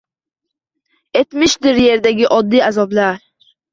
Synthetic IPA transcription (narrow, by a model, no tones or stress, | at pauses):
e̞t̪mɪʃd̪ɪɾje̞ɾd̪aɡʲɪʔɒd̪ːiːazɒblaɾ